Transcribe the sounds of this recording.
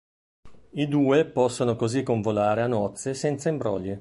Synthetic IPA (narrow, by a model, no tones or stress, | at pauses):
id̪uːepɔsːonokozikːoɱvolaːɾeanɔt̪sːesɛnt̪saimbɾɔ̰ːʎːi